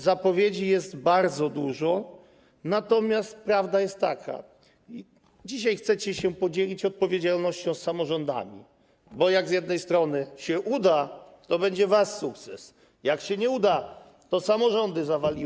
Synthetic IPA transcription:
zapɔvʲjed͡ʑijɛst̪baɾd̪zɔd̪uʐɔ | nat̪ɔmʲjast̪̚pɾavd̪ajɛst̪ːakʰa̰ | i | d͡ʑiɕ̬ajxt̪sɛt͡ɕɛɕɛpɔd͡ʑelʲit͡ɕɔt̪̚pɔvʲjed͡ʑalnɔɕt͡ɕɔ̃w̃sːamɔʐɔnd̪a̰mʲḭ | bɔjaɡzjɛd̪nɛjst̪ɾɔnɘɕɛʔud̪at̪ɔbɛɲd͡ʑɛvasːuk̚t̪sɛs | jakɕɛɲɛud̪a | t̪ɔsamɔʐɔnd̪ɘzavalʲi

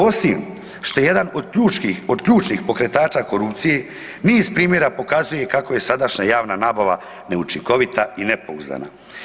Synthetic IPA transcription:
o̞sim | ʃt̪o̞jejed̪anod̪uːt͡ʃiod̪kʎuːt͡ʃnixpo̞kɾe̞t̪aːt͡ʃako̞ɾupt̪sije̞ | niːzpɾiːmje̞ɾapo̞kazuje̞kako̞je̞sad̪aʃɲajaːʋnanaːbaʋa | ne̞ut͡ʃiŋko̞ʋit̪ainepo̞uzd̪a̰na̰

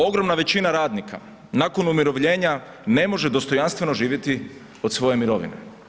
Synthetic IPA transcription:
o̞ɡɾo̞mnaʋe̞t͡ɕinaɾaːd̪nika̰ | naːko̞numiɾo̞ʋʎe̞ːɲa | ne̞mo̞ʒed̪o̞st̪o̞janst̪ʋe̞no̞ʒiːʋje̞t̪i | o̞d̪sʋo̞je̞miɾo̞ʋḭnḛ

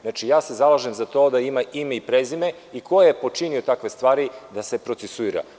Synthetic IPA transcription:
znat͡ʃijaːse̞zalˠaʒe̞mzat̪o̞ːd̪aimaʔimeipɾezime̞ | iko̞jejepo̞t͡ʃiniot̪akʋe̞st̪ʋaːɾid̪ase̞pɾo̞t̪sesuiɾa̰

